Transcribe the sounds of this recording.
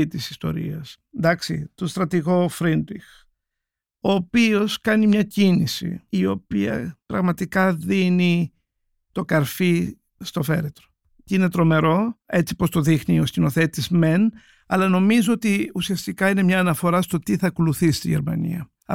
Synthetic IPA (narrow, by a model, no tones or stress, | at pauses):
t̪isi̥st̪o̞̰ɾḭɐs | nd̪ɐksit̪ost̪ɾɐt̪iɣo̞fɾind̪ix | o̞ːpio̞skɐnimɲɐcinisḭːo̞piɐ̰pɾɐɣmɐt̪ikɐðini | t̪o̞kɐɾfi | st̪o̞fe̞ɾet̪ɾo̥ | cine̞t̪ɾo̞me̞ɾo̞e̞t͡sipo̞st̪o̞ðixnioscino̞θe̞t̪izme̞n | ɐlɐno̞mizoot̪iusiɐst̪ikɐine̞mɲɐːnɐfo̞ɾɐst̪o̞t̪iθɐkoluθisi̥st̪iʝe̞̰ɾmɐ̰nḭɐ̰